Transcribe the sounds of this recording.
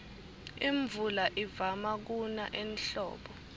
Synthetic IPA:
iɱbvulaʔivamak̬unaʔɛnɬɔ̰ːɓɔ

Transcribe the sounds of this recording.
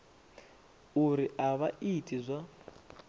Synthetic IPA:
uɾiʔaβaʔitʼizʷa

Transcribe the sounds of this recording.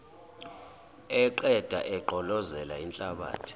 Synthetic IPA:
ɛǃɛd̥ʱa̰ʔɛǃʱɔlɔzɛlaint͡ɬʼaɓa̰ːtʰi̥

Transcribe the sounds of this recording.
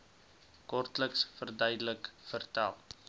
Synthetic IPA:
kɔrtləksfərdœjdələkfərtæ̰lˠ

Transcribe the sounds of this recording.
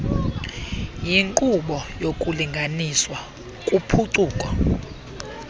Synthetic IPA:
jiŋkʼuɓɔjokʼuliŋɡʱaniswa | kʼupʰuǀuːkʼɔ

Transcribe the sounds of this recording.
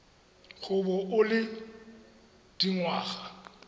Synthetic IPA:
ɣʊbɔʔʊlɪ | d̥iŋwaːɣa

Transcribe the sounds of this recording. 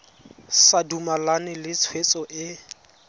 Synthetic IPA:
sadumalanɪlɪt͡sʰwet͡sʼɔʔɪ

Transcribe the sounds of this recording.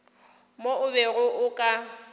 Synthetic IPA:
moʊβɛɣʊʔʊkʼa

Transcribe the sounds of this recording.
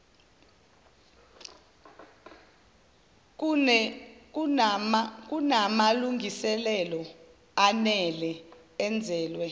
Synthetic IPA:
k̬unamaluŋɡisɛlɛlɔ | anɛlɛ | ɛnd͡zʱɛːlwɛ

